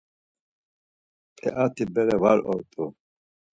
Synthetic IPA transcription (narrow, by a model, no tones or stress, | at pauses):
pʰɛʔat̪ʰibɛɾɛvaɾɔ̰ɾt̪ʼu